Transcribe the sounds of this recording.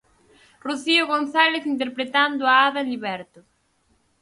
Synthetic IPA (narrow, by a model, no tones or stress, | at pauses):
ruθiʊɣonθaleθint̪̬eɾpɾet̪and̪ʊaaðaliβɛɾt̪ʊ